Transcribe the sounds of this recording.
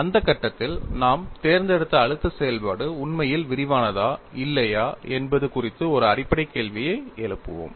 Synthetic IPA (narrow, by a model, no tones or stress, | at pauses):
ɐnd̪ɐkːɐʈːɐt̪ːɪlnaːmt̪eːɾnd̪ɛɽɯt̪ːɐːɻɯt̪ːɯsɛjɐlpaːɽɯʊɳmɐjɪlʋɪɾɪʋaːnɐðaːɪlːɐjaːɛnbɐðɯkʊrɪt̪ːɯɔɾɯɐrɪpːɐɽɐɪkːeːɭʋɪjɐɪɛɻɯpːɯ̰ʋo̰ːm